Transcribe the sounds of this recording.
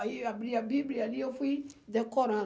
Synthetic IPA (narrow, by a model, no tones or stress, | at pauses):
iabɾiabiblialiefidɛkɔɾã